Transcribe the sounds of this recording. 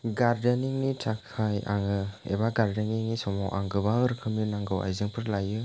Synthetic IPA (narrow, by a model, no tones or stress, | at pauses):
ɡaɾdeniŋnitʰakʰaja̰ŋɯḛbaɡaɾdeniŋnisɔmɔʔa̰ŋɡɯbaŋɯɾkʰɯminaŋɡɯwa̰jzɯŋpʰɯɾlajɯ